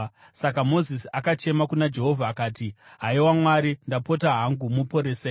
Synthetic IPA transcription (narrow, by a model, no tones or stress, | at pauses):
sakamo̞zisiakat͡ʃe̞makunad͡ʒe̞ɦo̞vʱaːkaːtiɦaiwamwaɾindapo̞taɦaŋɡumupo̞ɾeːse